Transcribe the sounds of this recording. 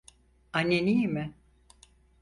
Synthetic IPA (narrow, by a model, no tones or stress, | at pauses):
anːenijmɪ